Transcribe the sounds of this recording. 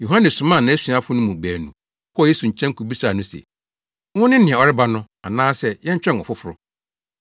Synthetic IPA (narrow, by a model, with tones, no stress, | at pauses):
jo˨ɦã˦nɛ̃˨sʊ̃˨mã˦˨nã˨˦æ˦si˨a˦fʊ˦nʊ̃˦mũ˨bæː˨nũ˨ | kʰɔ˦ɔ˦˨je˦su˨ɲ̩˨t͡ɕʰɛ̃˦ŋ̩˦kʰu˨bi˦sa˨nʊ̃˦sɛ̰˨ | wʊ̃˦nɪ̃˦nɪ̃˨ɛ̃˨ɔ˨ɾɪ˦ba˦nʊ̃˦ | a̰˨nãː˦sɛ˦jɛ̃˦ɲ̩˦t͡ɕᶣɛ̃˦n˨ɔ̰˨fʊ˦fʊ˨ɾʊ̰˦